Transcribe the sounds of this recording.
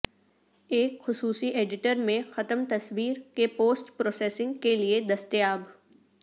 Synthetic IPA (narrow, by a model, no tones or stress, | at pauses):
eːkxʊsuːsiʔeːɖɪʈəɾmẽxɐt̪əmt̪ɐswiːɾkepoːsʈpɾoːseːsɪ̃ŋɡkelied̪ɐst̪əjaːb